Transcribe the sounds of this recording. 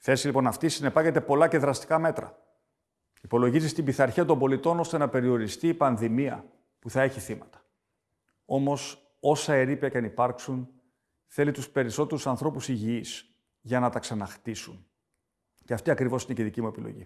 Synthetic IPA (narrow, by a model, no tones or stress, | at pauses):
θe̞silipo̞nɐft̪isine̞pɐcet̪e̞po̞lɐce̞ðɾɐst̪i̥kɐme̞t̪ɾɐ̰ | ipo̞lo̞ʝizist̪ibiθɐɾçiɐt̪̬o̞mbo̞lit̪o̞no̞st̪e̞nɐpe̞ɾio̞ɾist̪iːpɐnðimiɐ̰ | puθɐe̞çiθimɐt̪ɐ̥ | o̞mo̞s | o̞sɐe̞ɾipiɐcɐnipɐɾksun | θe̞lit̪uspe̞ɾiso̞t̪e̞ɾusɐnθɾo̞pusiʝiis | ʝɐnɐt̪ɐksɐnɐxt̪isun | ceɐft̪iɐkɾivo̞sineceðicimue̞pilo̞̰ʝḭ